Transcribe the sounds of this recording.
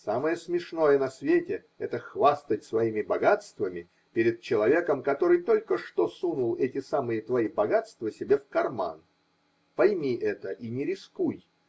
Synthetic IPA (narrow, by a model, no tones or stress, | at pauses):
saməjəsmʲɪʂno̞jənɐsvʲetʲɪ | ɛ̰t̪əxvast̪ətʲsvɐimʲɪbɐɡat̪st̪vəmʲɪ | pʲɪɾʲɪd̪̚t͡ɕɪlˠɐvʲe̞kəmkɐt̪o̞ɾɨjt̪o̞lʲkəʂt̪osunulˠɛtʲɪsamɨjət̪vɐibɐɡat̪st̪vəsʲɪbʲefkɐrma̰n | pɐjmʲiʔɛt̪əʔinʲɪɾʲɪskuj